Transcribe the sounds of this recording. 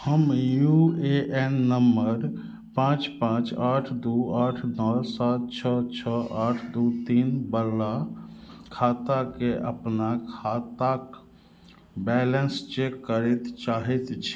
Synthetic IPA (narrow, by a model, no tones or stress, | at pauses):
həmjueʔenːəmbəɾ | pãːt͡ʃpãːt͡ʃaːʈʰd̪uaːʈʰnɔːlsaːt̪̚t͡ʃʰət̪̚t͡ʃʰəaːʈʰd̪ut̪iːnbəːa | kʰaːt̪akeʔə̰pnakʰat̪ak | bɛːlənst͡ʃekːəɾɛt̪t͡ʃaːɦɛt̪t͡ʃʰi̥